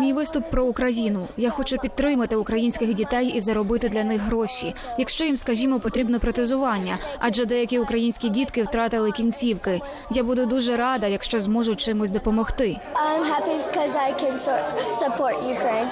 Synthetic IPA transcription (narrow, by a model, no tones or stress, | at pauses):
mʲijʋɪst̪ʊpːɾɔʊkɾɐjinʊjaxɔt͡ʃʊpʲid̪̚t̪ːɾɪmɐt̪ɪʊkɾɐjinʲsʲkʲɪxdʲit̪ɛjizɐɾɔbɪt̪ɪd̪lʲɐnɪxɦɾɔʃijɐkʃt͡ʃɔjimskɐʒʲimɔpɔt̪ɾʲibnɔpɾɔt̪ɪzʊʋɑnʲːɐɑd͡ʒɛd̪ɛjɐkʲiʊkɾɐjinʲsʲkʲidʲit̪kɪwt̪ɾɑt̪ɪlˠɪkʲinʲt͡sʲiwkɪ | jabud̪ʊd̪uʒɛɾɑd̪ɐjɐkʃt͡ʃɔzmɔʒʊt̚ʲt͡ʃɪmʊsʲd̪ɔpɔmɔxt̪ɪ | ãɪ̃mɦæpikʰɔzaɪkʰɨ̃nsɔsəpʰɔɹʔjukʰɹ̥ẽɪ̃n